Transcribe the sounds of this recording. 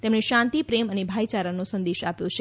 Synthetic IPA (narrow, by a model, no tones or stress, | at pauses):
t̪emɳeʃãnt̪ipɾemənebʱajt͡ʃaɾənosənd̪eʃapjõt͡ʃʰe